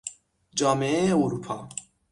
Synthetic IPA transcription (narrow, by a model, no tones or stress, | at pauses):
d͡ʒɑːmeeeuɾupʰɑː